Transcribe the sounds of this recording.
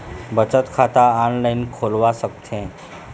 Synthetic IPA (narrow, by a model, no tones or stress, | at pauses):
bət͡sət̪kʰat̪aɔnlainkʰolʋasək̚t̪ʰẽ